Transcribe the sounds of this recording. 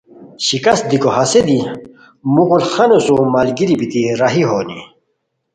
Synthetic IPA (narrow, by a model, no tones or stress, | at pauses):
ɕikɐst̪̚d̪ikoɦɐsed̪i | muɣulχɐnosumɐlɡiɾibit̪iɾɐɦiɦoːnḭ